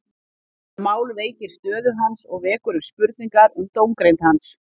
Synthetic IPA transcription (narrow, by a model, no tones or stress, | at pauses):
maːwlveːjcɪɾ̥st̪œːðʏɦansɔɣvɛːkʏɾʏmspʏɾt̪̚niŋkaɾʏmt̪owŋkɾejnt̪hans